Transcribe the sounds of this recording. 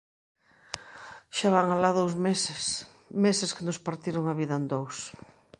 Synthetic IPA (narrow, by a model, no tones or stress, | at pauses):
ʃaβaŋalaðowzmess | mesɪskɪnospaɾt̪iɾoŋaβiðɐend̪ows